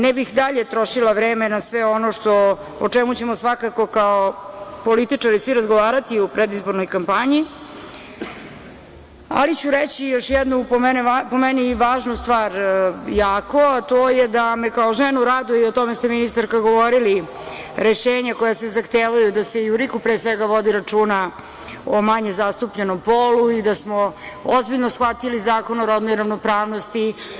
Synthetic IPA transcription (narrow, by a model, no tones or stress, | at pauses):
nɛbixd̪aʎe̞t̪ɾo̞ʃilˠaʋɾeːmenasʋeo̞noʃt̪o̞ | ot͡ʂɛmut͡ɕe̞mosʋakako̞kaopolit̪it͡ʂaɾisʋiɾazɡoʋaːɾat̪iupɾed̪izbo̞ɾno̞jkampaɲi | a̰lit͡ɕuɾet͡ɕijoʃjɛd̪nupomɛnɛpomɛniʋaːʒnust̪ʋaːɾjaːko̞at̪oːjed̪amekaoʒenuɾad̪uiot̪o̞mest̪e̞minist̪aɾkaɡoʋoɾili | ɾeʃeːɲakojasezaxt̪eːʋajud̪ase̞iuɾikupɾesʋeɡaʋo̞d̪iɾat͡ʂuːna | omaɲezast̪upʎeno̞mpoluid̪asmo | ozbiʎnosxʋat̪ilizaːkonoɾod̪nojɾaʋnopɾaːʋno̞st̪i